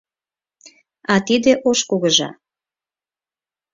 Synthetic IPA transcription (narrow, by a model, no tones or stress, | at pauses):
ɑt̪id̪eʔoʃkuɣəʒɑ̰